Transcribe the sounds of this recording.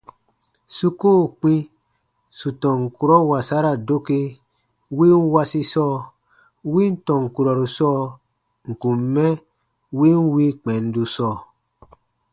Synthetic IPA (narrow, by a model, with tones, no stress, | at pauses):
su˦koː˦˨k͡pĩ˦ | su˨tɔ̃˨ŋ˨ku˨ɾɔ˦wa˨sa˦ɾa˨do˦ke˧ | wi˦n˦wa˧si˧sɔː˦˨ | wi˦n̩˦tɔ̃˨ŋ˨ku˨ɾɔ˨ɾu˨sɔː˦˨ | ŋ̩˨kũ˨mːɛ˦ | wi˦n˦wi˦k͡pɛ˨n̩˦du˧sɔː˦˨